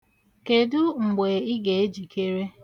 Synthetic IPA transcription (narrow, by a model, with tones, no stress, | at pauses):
ke˨dʊ˦ŋ͡m̩˨ɡ͡be˨i˦ɡe˨e˦d͡ʒi˨kʰe˦ɾe˦